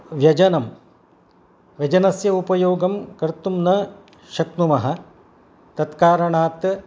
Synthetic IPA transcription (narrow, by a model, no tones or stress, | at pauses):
ʋjɐd͡ʒɐnɐm | ʋjɐd͡ʒɐnɐsjɐupɐjoːɡɐmkɐɾt̪umnɐ | ʃɐk̚numɐɦɐ | t̪ɐt̪kaːɾɐɳaːt̪